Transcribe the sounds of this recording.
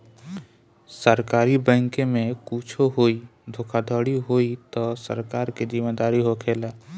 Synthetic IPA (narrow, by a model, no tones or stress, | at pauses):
səɾkaːɾibə̃ŋkemẽkuːt͡ʃʰoɦoːid̪ʱoːkʰad̪ʱɔːɽiɦoːit̪ɔsə̰ɾkaːɾkizɪmed̪aːɾiɦokʰeːlaː